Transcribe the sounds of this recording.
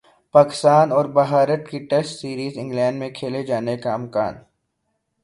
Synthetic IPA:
paːkɪ̥st̪aːnɔːɾbɐɦaːɾəʈ̚kiʈeːsʈsiːɾiːzɪ̃ŋɡlɛ̃ːɳɖmẽkʰeːled͡ʒaːnekaɪmka̰ːn

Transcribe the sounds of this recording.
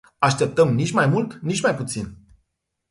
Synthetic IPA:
aʃt̪e̞p̚t̪əmnit͡ʃʲmajmult̪nit͡ʃmajput̪sin

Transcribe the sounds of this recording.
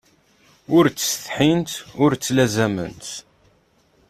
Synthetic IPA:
ʊɾt͡sːə̥sθħint̪ʊɾt͡sːlæzæmə̰nt̪

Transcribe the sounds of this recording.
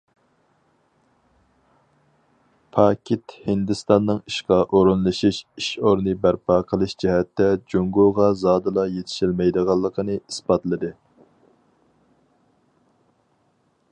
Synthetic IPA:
pʰɑːkʲʰit̪hɪnd̪ɨst̪ɑnːɨŋiʃqɑʔoɾunlˠɨʃiʃiʃoɾnɨbæɾpʰɑːqʰəlˠɨʃd͡ʒɛɦɛt̪ːɛd͡ʒoŋɡoʁɑzɑːd̪ɨlˠɑjet̪ʰɪ̥ʃilmɛjd̪əʁɑlˠːəqʰənɨisbɑt̪lˠɨd̪ɨ

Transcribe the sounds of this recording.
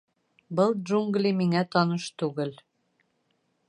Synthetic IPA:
bɤlˠʒuŋɡlʲimiŋæt̪ɒnɤʃt̪ʉɡɘl

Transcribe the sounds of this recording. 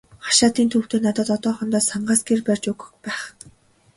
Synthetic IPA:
χḁʃaːt̪iːnt̪ʰuːw̥t̪eːnat̪ɔ̆ːt̪ɔt̪ɔːχɞ̆nt̪ɔːsaɴɢaːsɡerpær̥ʲt͡ɕʊɣɵ̆kpæːχ

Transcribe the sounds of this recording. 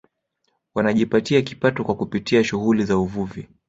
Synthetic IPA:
wanaʄipatiaki̥patɔkwakupitiaʃuɣulizauvuvi

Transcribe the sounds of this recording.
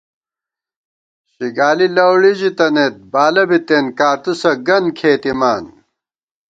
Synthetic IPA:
ɕiɡaːlilɐwɽiʑit̪ɐnet̪̚baːlɐbit̪eːnkaːɾt̪usɐɡɐnkʰeːt̪imaːn

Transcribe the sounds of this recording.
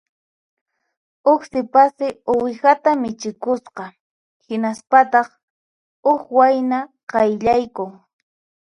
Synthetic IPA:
ʊksɪpasɪʊwɪxat̪amɪt͡ʃɪkʊsqɑ | hɪnaspat̪ɑχ | ʊxwajnaqɑjʎajkʊŋ

